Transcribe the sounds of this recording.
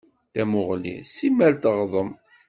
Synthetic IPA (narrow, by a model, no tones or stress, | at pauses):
θæmʊʁlḭsimːælt̪əʁðˤəm